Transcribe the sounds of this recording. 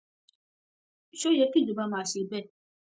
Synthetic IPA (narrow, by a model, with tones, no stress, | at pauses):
ʃo˦jɛ˧˦ki˦˨d͡ʒo˨ba˧˦mãː˦˨ʃe˧˦bɛ˦˨